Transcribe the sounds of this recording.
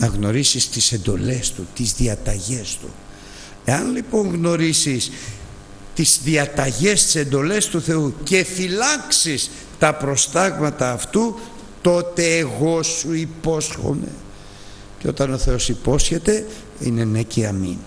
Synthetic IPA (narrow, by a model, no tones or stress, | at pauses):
nɐɣno̞ɾisist̪ise̞nd̪o̞̰le̞st̪ut̪izðiɐt̪ɐʝe̞st̪ṵ | e̞ɐnlipo̞ŋɣno̞ɾisis | t̪izðiɐt̪ɐʝe̞st̪i̥se̞nd̪o̞le̞st̪uθe̞uce̞filɐksis | t̪ɐpɾo̞st̪ɐɣmɐt̪ɐːft̪u | t̪o̞t̪e̞ːɣo̞suipo̞sxo̞̰ne̞̰ | ceo̞t̪ɐno̞θe̞o̞sipo̞sçet̪e̞ | ine̞neciɐmḭn